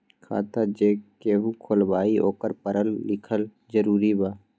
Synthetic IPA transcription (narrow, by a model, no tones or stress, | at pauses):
kʰa̰ːt̪ad͡ʒeːkeːʋukʰolbaːio̰ːkəɾpəɾəlːɪkʰəl | d͡ʒəɾuːɾibaː